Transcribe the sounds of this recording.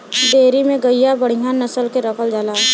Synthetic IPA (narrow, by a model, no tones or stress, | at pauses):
d̪eːɾimẽɡəjabəɽ̤ijanɐsəlkeɾɐkəld͡ʒəlaː